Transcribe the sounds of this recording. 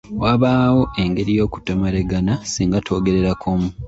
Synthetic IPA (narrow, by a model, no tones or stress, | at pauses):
waːβaːwo̞ʔe̞ŋɡe̞ɾijo̞ːku̥tomaɾeɡanasiːŋɡatʰo̞ːɡe̞ɾe̞ɾakʰomu